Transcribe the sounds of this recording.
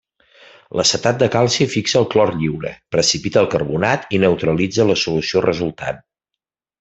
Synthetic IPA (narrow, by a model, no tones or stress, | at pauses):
ləsət̪at̪̚d̪əkalˠsifiksəːlˠklɔrʎiwɾə̰pɾəsipit̪əːlˠkərβunat̪inəwt̪ɾəlid͡zələsulusiorəzulˠt̪a̰t̪̚